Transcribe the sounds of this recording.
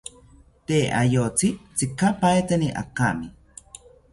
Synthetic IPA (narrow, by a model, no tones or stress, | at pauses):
t̪eʔa̰jot͡sit͡sikapajt̪aniʔa̰kami